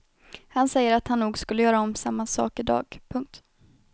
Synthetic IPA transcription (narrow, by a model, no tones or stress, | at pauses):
hansɛjːəɾat̪hanːuːɡskɵlːəjœːɾaɔmsamːasɑ̰ːkɪd̪ɑ̰ːɡpʰɵŋk̚t̪